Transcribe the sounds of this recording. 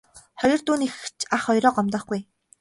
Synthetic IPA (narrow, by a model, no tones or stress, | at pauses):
χɔjɞ̆rt̪uːnixt͡ɕʰaχɔjɾɔːqɔmt̪ɔːχɡuj